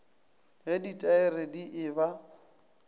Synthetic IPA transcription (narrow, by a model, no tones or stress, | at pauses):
ɦeditʼaɪrediʔɪːba